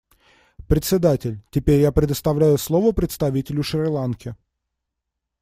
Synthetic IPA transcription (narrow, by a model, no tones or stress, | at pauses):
pɾʲɪt̪sʲɪd̪atʲɪlʲtʲɪpʲeɾʲjapɾʲɪd̪əst̪ɐvlʲæjʊslˠo̞vəpɾʲɪt̪st̪ɐvʲitʲɪlʲʊʂrʲlˠankʲɪ